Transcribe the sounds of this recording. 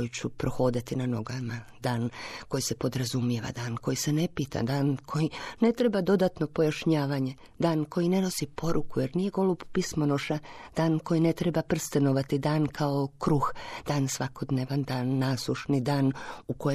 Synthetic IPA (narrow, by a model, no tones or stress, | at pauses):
ojit͡ɕupɾoxo̞ːd̪at̪inano̞ɡamad̪aːnko̞jise̞po̞d̪ɾazumjeʋa̰d̪aːnko̞jise̞ne̞piːt̪a̰d̪aːnkʰo̞jine̞t̪ɾe̞bad̪o̞d̪at̪no̞po̞jaʃɲaːʋaɲe̞ | d̪aːnko̞jine̞no̞sipo̞ɾukuje̞ɾnije̞ɡo̞lubpismonoʃad̪̥aːnko̞jine̞t̪ɾe̞bapr̩st̪eno̞ʋat̪id̪aːnkʰaokɾuxd̪̥aːnsʋako̞d̪neːʋand̪aːnːaːslˠuʃnid̪aːnuko̞